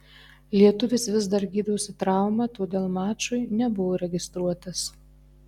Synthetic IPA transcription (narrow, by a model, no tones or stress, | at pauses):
lʲiɛt̪ʊʋʲɪsʋʲɪzd̪ɐɾɡʲiːd̪ɐʊsʲɪt̪ɾɑˑʊmɐt̪oːd̪ʲeːlˠmɑːt͡ʃʊɪnʲɛbʊʋoːɾʲɛɡʲɪst̪ɾuɔt̪ɐs